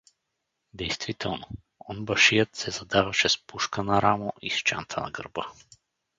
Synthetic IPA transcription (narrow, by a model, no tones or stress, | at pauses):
d̪ɛjst̪vit̪ɛlˠno | ɔnbɐʃijət̪sɛzɐd̪avɐʃɛspuʃkənɐɾamoʔiʃt͡ʃa̰nt̪ʰənɐ̰ɡə̰ɾbɤ